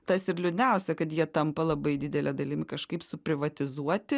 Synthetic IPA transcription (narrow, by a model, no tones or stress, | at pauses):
t̪ɐsɪɾlʲʊnʲɛˑʊsʲɛkɐt̪jiɛt̪ɐmpɐlˠɐbɐɪd̪ʲɪd̪ʲɛlʲɛd̪ɐlʲɪmʲɪkɐʃkɐɪpsʊpʲɾʲɪʋɐt̪ʲɪzuɔt̪ʲɪ